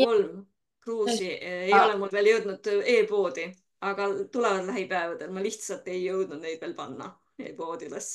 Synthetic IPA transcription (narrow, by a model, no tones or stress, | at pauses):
olm | kruːsiejo̞lemulveːljɤwd̪̥nud̪̥e̞ːpo̞ːd̪̥i | ɑɡ̥ɑt̪ulevɑd̪læɦipæevɑd̪̥e̞lmɑliçt̪sɑlt̪ːˑe̞jːɤwd̪̥nud̪̥ne̞jd̪̥ve̞ːlpɑnːɑ̰ | eːpo̞ːd̪̥iles